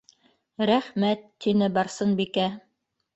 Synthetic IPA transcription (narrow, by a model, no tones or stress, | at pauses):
ɾæχmæt̪ːinɘbɑɾsɤnbikæ